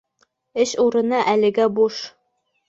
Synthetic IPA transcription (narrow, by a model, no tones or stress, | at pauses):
ɘɕuɾɤ̆nɑʔælɘ̆ɡæbuʃ